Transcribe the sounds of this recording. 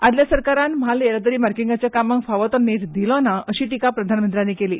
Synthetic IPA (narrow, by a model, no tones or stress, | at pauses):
ad̪ljasəɾkaɾanm̤aleəɾad̪əɾiːmaɾkiŋɡat͡ɕjakaməŋɡfaʋət̪ənːeʈd̪ilɔnaʔəɕiːʈikapɾəd̪ʱanmənt̪ɾjanːiːkeliː